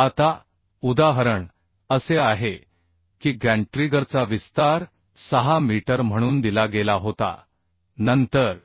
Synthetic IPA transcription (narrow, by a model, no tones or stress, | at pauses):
at̪a | ud̪aɦəɾəɳ | əseaɦe | kiːɡæ̃ɳʈɾiɡəɾt͡saʋist̪aɾ | səɦamiʈəɾm̤əɽ̃uːnd̪ilaɡelaɦot̪a̰ | nənt̪əɾ